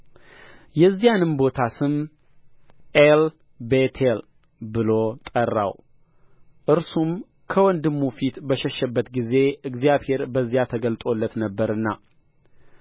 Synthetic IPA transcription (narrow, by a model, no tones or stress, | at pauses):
jɛzːijanɨmbo̞t̪ʰasɨm | el | bet̪ʰel | bɨlo̞t̪ʼərːa̰w | ʔɨɾsum | kʰəwɔnd̪ɨmːufit̪bəʃɛʃːəbːət̪ɡize̞ɨɡzijaβhe̞ɾbəzːijat̪ʰəɡəlt̪ʼo̞lːət̪nəbːəɾɨnːa̰